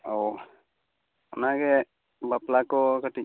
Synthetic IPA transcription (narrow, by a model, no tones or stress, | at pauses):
ɔw | ɔnaɡɛ | baplakɔkaʈic̚